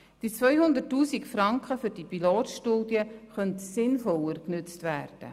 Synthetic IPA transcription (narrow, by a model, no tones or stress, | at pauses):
d̥it͡sʋœʏhʊndətːuːsikfrɑŋkχəfʏɾdipiloːtʃtuːdjəχœntsɪnfɔlərknʏt͡stvæːrd̥ə̰